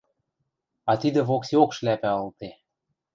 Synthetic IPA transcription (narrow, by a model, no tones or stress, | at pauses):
ɑt̪id̪ə̆βoksiokʃlæpæɤ̆lt̪e